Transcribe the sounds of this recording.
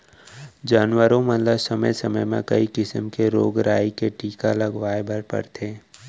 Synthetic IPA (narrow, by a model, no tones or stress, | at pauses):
d͡ʒaːnwəɾõmə̃nləsɐməjsəməjmḛ̃kɐikɪsəmkeɾoːɡɾaːikeʈiːkalɐɡʋaːebʱəɾpə̰ɾt̪ʰeː